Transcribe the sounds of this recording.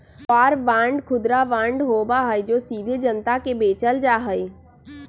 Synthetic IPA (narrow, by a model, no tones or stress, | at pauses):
paːɾbãːɳɖkʰʊd̪ɾaʋãːɳɖɦoːbaɦəjd͡ʒoːsiːd̪ʱid͡ʒənt̪akebeːt͡ʃəld͡ʒaːɦəi